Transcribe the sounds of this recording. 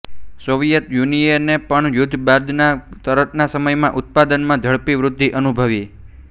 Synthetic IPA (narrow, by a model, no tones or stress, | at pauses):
soʋjət̪junienepəɳjʊd̪ʱːbad̪nat̪əɾət̪nasəməjmãʔʊt̪̚pad̪ənmãd͡ʒʱəɭpiʋɾʊd̪ʱːiʔənubʱəʋi